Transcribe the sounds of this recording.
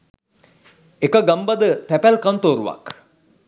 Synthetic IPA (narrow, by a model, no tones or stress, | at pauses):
ekəɡambad̪ət̪ɛpælkant̪oːɾuʋa̰k